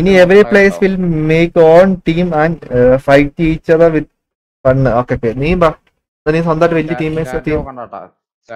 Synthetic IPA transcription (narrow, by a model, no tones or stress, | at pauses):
inieʋɾipleːsʋilmeːkoːnʈiːmanfɐjʈːejt͡ɕːɐðɐʋid̪̚ | fɐnːɨoːkːepeːniːmba | d̪ɐniːsɐ̃nd̪ɐʈʋelːiʈiːmːeːsɐʈiːm